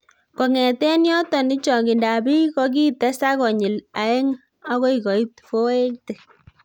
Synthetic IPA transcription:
kɔ˨ŋɛ˨tɛ˦njɔ˦tɔ˨nɪ˦t͡ʃɔ˨ki˨nda˨bi˦kɔ˦k̬i˦tɛ˦sa˦kɔ˨ɲɪ˨la˨e˦ŋ | a˦ko˦i˨kɔ˨i˦tfo˦e˦kte˨

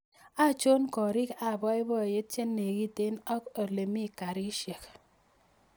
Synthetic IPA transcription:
a˦˨t͡ʃo˦nkɔ˨ɾi˦ka˦˨bɔ˦e˦bɔ˦˨je˦t̚t͡ʃe˦nːe˨ɡi˦te˦nɔ˦ko˨le˨mi˦˨ka˨ɾi˦ʃje˨k

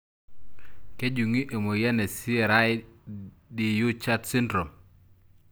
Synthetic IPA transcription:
ke˦d͡ʒu˨ŋi˦ʔe˨mo˨ja˦ne˨si˦˨ɾa˦j | di˨ju˦t͡ʃa˦tsi˦ndɾo˨m

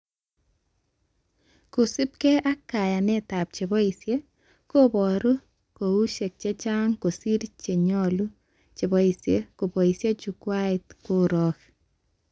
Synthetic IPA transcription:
ko˨sɪ˦p̚kɛ˦ʔa˦kːa˨ja˨nɛ˦ta˨p̚t͡ʃe˨bɔ˦i˨sje˦ | ko˦bɔ˨ɾu˦ | ko˨u˦ʃe˨k̚t͡ʃe˦t͡ʃa˦ŋko˨si˦ɾt͡ʃe˨ɲɔ˦lu˦ | t͡ʃe˨bɔ˨i˨sje˦ko˨bɔ˨i˨sje˦t͡ʃu˨kwa˦ɪ˨t̚ko˦ɾɔ˦k

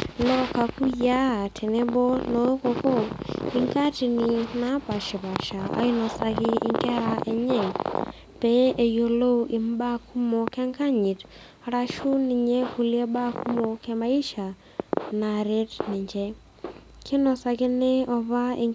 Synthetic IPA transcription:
lɔ˦ka˨ku˦ja˦˨tʰɛ˨nɛ˦bɔ˦nɔ˦kɔ˨kɔ˦ɪ˨ŋka˦ti˨nɪ˨na˦pa˨ʃɪ˨pa˨ʃa˨a̰˦ɪ˦nɔ˨sa˨kɪ˦ɪ̰˨ŋkɛ˦ɾa˨ɛ˨ɲɛ˦˨ | pɛ˨˦e˨jo˨lo˦ɪ˨mba˦kʰu˦mɔ˨kɛ˦ŋka˦ɲɪ˨t | ɾa˦ʃu˦nɪ˨ɲɛ˦ku˨ljɛ˦ba˦ku˦mɔ˨kɛ˦ma˦i˦ʃa˨ | na˨ɾe˦tnɪ˨ɲd͡ʒɛ˦ | kʰɪ˦nɔ˨sa˨kɪ˦nɛ˦ɔ˨βa˦ɪ˨

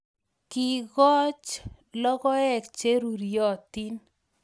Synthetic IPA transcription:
ki˨ɣɔ˦t͡ʃ | lɔ˦ɣɔ˦ɛ˦˨k̚t͡ʃe˦ɾu˨ɾjɔ˨t̪i˦n

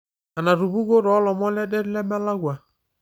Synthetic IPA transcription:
a˨na˨ɾu˨bu˦ɡo˦ɾɔ˨˦lɔ˨mɔ˦lɛ˦dɛ˦ɾlɛ˦mɛ˦la˦ɡwa˨

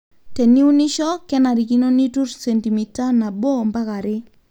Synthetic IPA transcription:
te˨ni˦u˦ni˦ʃɔ˦kɛ˦na˨ɾi˨ki˦no˦ni˦tu˦rsɛ˨nti˨mi˨ta˦na˨bo˦mba˦ka˨ɾɪ˦

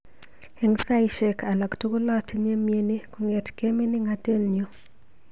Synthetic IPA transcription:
e˨ŋsa˦jʃe˦kʰa˨lɔ˨ktu˦ko˦lɔ˦tɲe˦mje˦ni˦ko˦ŋɛ˨tke˦mi˦nɪ˦ŋate˦nɲo˦

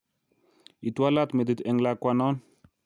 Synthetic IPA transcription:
i˨twa˦la˦t̪me˨d̪it̪ɛ˨ŋlakwanɔ˦n

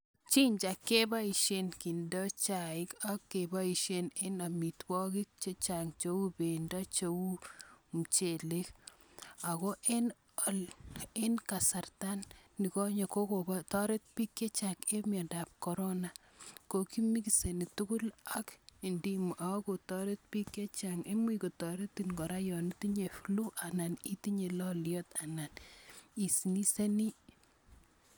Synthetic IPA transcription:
t͡ʃi˦ɲt͡ʃa˨kːe˦ba˦i˨ʃenki˨nda˦t͡ʃa˨ɪ˦kakːebaiʃene˦na˨mi˨twɔ˦ki˦k̚t͡ʃe˦t͡ʃaŋt͡ʃo˦wu˦benda˦t͡ʃo˦wu˦m̩t͡ʃe˨le˦k | a˨ko˦ʔe˦n | ɔ˦lenka˨sa˨rta˦nːi˨ko˦ɲe˨ko˦ko˨batɔ˦ɾe˦t̪̚pi˦kːe˦t͡ʃaŋe˦mjɔ˨nda˨p̚kɔ˨ɾo˦na˨ | ko˨ki˦mi˦kise˨ni˨tu˦ku˦la˦ki˨ndi˦mu˨ʔa˨˦ko˨tɔ˦ɾe˦t̪̚pi˦kːe˦t͡ʃaŋe˦mwi˦ko˨tɔ˨ɾe˦tinkɔ˨ɾa˦jɔ˨ni˦ti˦ɲe˨flu˦ʔa˨na˨ni˦ti˦ɲe˨lɔ˦ljɔ˦t̪a˨na˨ni˨si˨ni˦se˦ni˦

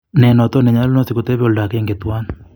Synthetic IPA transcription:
nɛ˨nɔ˨t̪ɔ˦nɛ˨ɲa˦lnɔ˦si˨ko˨t̪ɛ˦βo˨lda˨ke˦ŋɡe˨t̪wa˦n

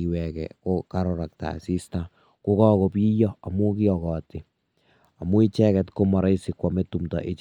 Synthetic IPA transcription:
iwɛ˨kɛ̰˨ko˦kaɾɔɾa˨k̚ta̰˨si˦sta | ku˦kɔ˦ko˨pi˦jɔ˦a˨mu˦kiɔ˨kɔ˨tɪ˨ | a˨mu˦i˦t͡ʃɛkɛtko˦mɔ˨ɾa˦jsikwɔme˦tumtɔ̰˨ʔe˨t͡ʃ

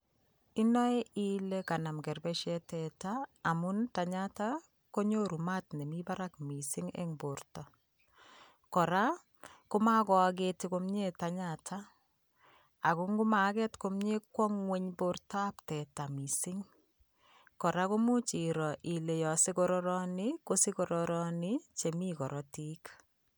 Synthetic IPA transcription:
i˦nɔ˦e˦i˨le˦ka˨na˨mkɛ˨rbɛ˦ʃɛ˦tɛ˨taː˨mu˦nta˨ɲata˦ | ko˦ɲo˦ɾu˨ma˦tne˨mi˦ba˦ɾa˦kmi˨sɪ˦ŋḛ˦ŋbo˨rtɔ˨ | kɔ˨ɾa˦ | kʊ˦ma˦kɔ˨a˧ɡ̬etiko˦mɲe˦ta˦ɲatʰa˦ | a˨ku˦ŋɡu˦ma˨kɛ˦tko˦mɲe˦kwɔ˦ŋwe˦ɲbortɔ˦a˦ptɛ˨ta˨mi˨sɪ˦ŋ | kɔ˨ɾa˦ko˦mu˦t͡ʃi˨ɾɔ˨ʔi˨le˨jɔ˨sɪ˦kɔɾɔɾɔ˦nɪ˦ko˦sɪ˦kɔ˨ɾɔɾɔ˦ni˦t͡ʃe˨mi˦kɔ˨ɾɔ˦ti˦k

